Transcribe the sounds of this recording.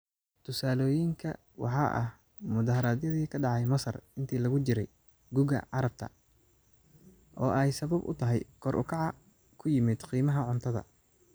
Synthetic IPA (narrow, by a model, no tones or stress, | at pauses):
t̪ʰʊsaːlɔːjɪŋkʰɐ | wʔɑħɑːʔɐ̰h | mʊðɐːhɐɾaːd̪jɐðiːkʰɐɖɑʕɑjmɐsɐ̰rɪnt̪ʰiːlɐɣʊt͡ʃɪɾɛj | ɡuːɣɐ̰ʕɑɾɐb̚t̪ʰɐ̰ | ʔɔːɛjsɐβɐbʔʊ̰t̪ʰɐɦɛjkʰɔɾʔʊ̰kʰɑʕɑ | kʰʊjɪmɪd̪qiːmɐɦɐʕʊnt̪ʰɐðɐ̰